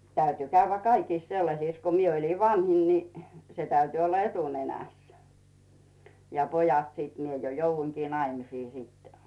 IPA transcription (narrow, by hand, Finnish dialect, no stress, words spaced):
tæyty kæyʋːæ kɑikiˑs selːɑsiˑs ko mie olʲin ʋɑnhin ni se tæyty olːɑ etunenæˑs jɑ pojɑt siˑt mie jo jouʋːuiŋkiː nɑimisiː sitːɛ